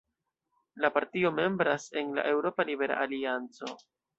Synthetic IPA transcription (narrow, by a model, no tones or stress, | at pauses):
lapaɾtio̞me̞mbɾase̞nla̰ʔe̞wɾo̞palibe̞ɾa̰ʔaliant͡so̞